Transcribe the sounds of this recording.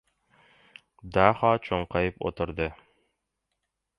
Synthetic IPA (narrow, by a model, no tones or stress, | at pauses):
d̪ɑχɑt͡ʃoɴqɑjɤpo̰t̪ŏɾd̪ɤ